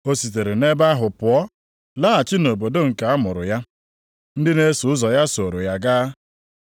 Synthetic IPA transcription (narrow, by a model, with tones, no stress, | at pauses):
o˦si˨t̬e˨ɾe˨ne˦ba˦ɦʊ˨pʊ˨ɔ˦ | la˦a˨t͡ʃɪ˦no˨bo˨do˦ŋ̩˨ka˨a˦mʊ˨ɾʊ̰˨ja˦ | n̩˦dɪ˦ne˦su˨ʊ˦zɔ˨ja˦so˨ɾo˨ja˦ɡaː˦